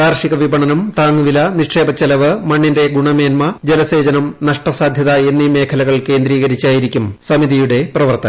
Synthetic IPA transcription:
aːrʂiɣɐʋibɐɳɐnɐmt̪aːŋːuʋilɐniʂʈʂe̞ːbɐt͡ɕːɐlɐʋɨmɐɳːinde̞ɡuɳɐmeːnmɐd͡ʑelɐse̞ːd͡ʑɐnɐmnɐʂʈɐsaːd̪ʱjɐðɐe̞nːime̞ːkʰɐlɐɣɐɭke̞ːnd̪ɾiːɣɐɾit͡ɕːaːjiɾikʲːumsɐmiðijuɽe̞prɐʋɐrt̪ɐ

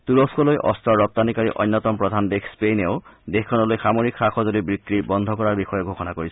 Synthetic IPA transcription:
t̪uɹoskɔlojʔɔstɔɹɔp̚t̪anikaɹiʔɔjnːɔt̪ɔmpɹɔd̪ʱandekspeneʊd̪exkʰːɔnɔlojxamoɹikʰːaxɔzodibɹikːɹibɔnd̪ʱɔkɔɹaɹbixɔjɔɡʱoxɔnakoɹisɔ

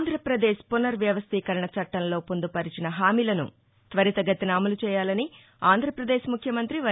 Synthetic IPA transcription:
nd̪ʱɾɐpɾɐd̪eːʃpunɐɾʋjɐʋɐst̪iːkɐɾɐɳɐt͡ʃɐʈːɐnlo̞ːpond̪upɐɾit͡ʃinɐɦaːmiːlɐnṵ | t̪ʋɐɾit̪ɐɡɐt̪ːinaːmulut͡ʃɛːjaːlɐni | aːnd̪ʱɾɐpɾɐd̪eːʃmukʰjɐmɐnt̪ɾiʋɐ

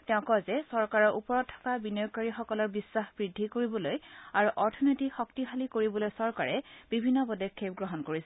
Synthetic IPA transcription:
tɛʊ̃kɔzɛsɔɹkaɹɔɹʔupɔɹɔtʰːɔ̥kabinokaɹixɔkɔlɔɹbisːaxb̥ɹidʱːikoɹibɔlojaɹuʔɔɹtʰɔnojtixɔktiɦalikoɹibɔlojsɔɹkaɹɛb̥ibʱinːɔbɔdɛkʰːep̚ɡɹɔɦɔnkoɹisɛ

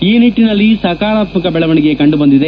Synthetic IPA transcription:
iːniʈːinɐlːisɐkaːɭaːt̪mɐkɐbɛɭɐʋɐɳiɡe̞kɐɳɖubɐnd̪id̪e

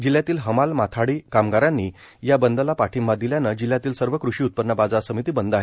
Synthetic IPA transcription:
d͡ʑiljat̪iːlɦəmalmat̪ʰaɽiːkamɡaɾãnːi | jabənd̪əlapaʈʰimbad̪iljanəd͡ʑilːjat̪iːlsəɾʋəkɾuʂiːut̪̚pəd̪ɳəbad͡zasəmit̪iːbənd̪aɦe

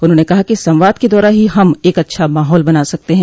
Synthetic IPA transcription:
ʊnɦõːnekɐɦakisɐ̃mʋaːd̪ked̪ɔːɾaɦiɦɐmeːkɐtːʃʰamaːɦɔːlbɐnaːsɐk̚t̪eɦɛ̃ː

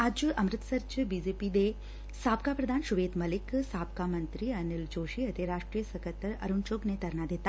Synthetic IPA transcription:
aːd͡ʒɐmɾɪt̪sɐɾt͡ʃʰbiːd͡ʒeːpid̪e | saːp̚kapɾɐd̪ʱaːnʃʊʋeːd̪mɐlɪksaːp̚kamɐ̃nt̪ɾiɐnɪld͡ʒoːʃiɐt̪eɾaːʂʈɾijəsɐkət̪ːəɾɐ̰ɾunt͡ʃoːɡnet̪ɐɾnad̪eːt̪a

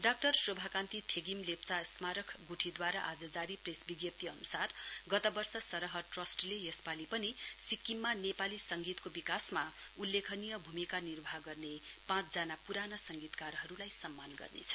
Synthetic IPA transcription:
ɖak̚ʈʌrsrobʱakãnt̪it̪ʰeɡimlep̚t͡sasmaɾʌkʰɡuʈʰid̪waɾaʔad͡zʌd͡zaɾipresbiɡjʌp̚t̪iʌ̰nusarɡʌt̪ʌbʌrsʌsʌɾʌɦʌʈrʌsʈlejʌspalipʌnisikːimːanepalisʌŋɡit̪kobikasma | ulːekʰʌnijʌbʱumikanirbʱaɡʌrnepãt͡sʰd͡zanapuɾanʌsʌŋɡit̪karɦʌɾulajsʌmːanɡʌ̰rnḛt͡sʰʌ̥

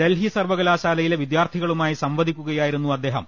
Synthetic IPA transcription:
d̪elɦiɐsɐrʋɐɣɐlaːɕaːlɐjileʋid̪jaːrt̪ʰiɣɐɭumaːjisɐmʋɐd̪ʱikʲːuɣɐjaːjiɾunːuɐd̪ːe̞ːɦɐm

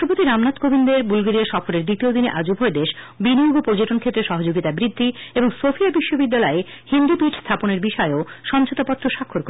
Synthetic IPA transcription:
ʃʈopot̪iɾamnat̪kobʱind̪eɾbulɡeɾiaʃɔfoɾeɾd̪it̪iod̪ineʔad͡ʑubʱɔed̪eʃ | binioɡopoɾd͡ʑeʈonkʰet̪ːɾeʃɔɦod͡ʑoɡit̪abɾid̪ʱːieboŋsofiabiʃːobid̪ːalɔe | hind̪upiʈʰst̪ʰaponeɾbiʃɔeoʃɔnd͡ʑʰot̪apɔt̪ːɾoʃakʰːoɾk

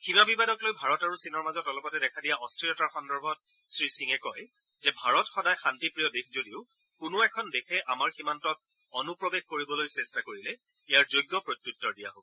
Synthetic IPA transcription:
ximabibadɔklojbʱaɹɔtaɹusinɔɹmazɔtɔlɔpɔtɛdɛkʰadijaʔɔstɹiɔtaɹxɔndɔɹbʱɔt̚ | sɹisiŋɛkɔj | zɛbʱaɹɔtxɔdajxantipɹijɔdikʰzodiʊ | kʊnʊɛkʰɔndekʰɛʔamaɹximantɔt̚ | ɔnupɹɔbexkoɹibɔlojsɛstakoɹilɛ | ijaɹzojɡːɔpɹot̪jutːɔɹdija̰ɦok

